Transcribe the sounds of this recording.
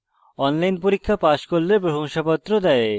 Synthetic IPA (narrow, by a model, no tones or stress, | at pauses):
ɔnlajnpoɾikʰːapaʃkoɾlebɾoɦoŋʃapɔt̪ːɾod̪ɛe